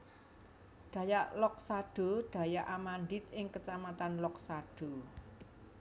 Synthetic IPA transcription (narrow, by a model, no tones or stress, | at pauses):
ɖ̪̥ä̤jaʔlɔk̚saɖ̥o̤ɖ̪̥a̤jaʔamand̪ɪt̪ʔɪŋkət͡ʃamat̪anlɔksaɖ̥o̤